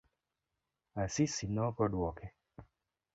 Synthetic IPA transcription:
asisinɔkɔdwɔkɛ

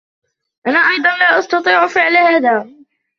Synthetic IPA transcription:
ʔanaːʔɑjd̪ˤɑnlaːʔɑst̪ɑt̪ˤiːʕfɪʕlhaːðaː

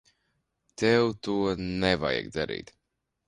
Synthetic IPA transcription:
t̪ewt̪uɔnɛva̰jɛ̰ɡd̪aɾḭːt̪

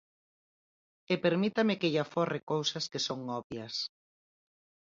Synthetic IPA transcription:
epeɾmit̪amɪkeʎafɔrekowsaskesoŋɔβjɐs

